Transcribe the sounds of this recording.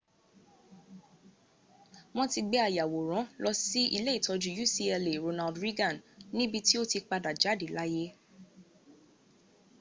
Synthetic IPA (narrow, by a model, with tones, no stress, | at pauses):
mɔ̃˧ti˧ɡ͡bɛ˦a˦˨ja˨wo˨ɾ̃ɔ̃˨˦lɔ˧si˦i˧le˦i˦˨tɔ˨˧d͡ʒu˧ju˦si˦ɛ˧le˨ɾo˧na˧ldɾi˦ɡã˦˨nnĩ˦bi˧ti˦o˦ti˧k͡pa˧da˨d͡ʒa˨˦di˨la˦je˦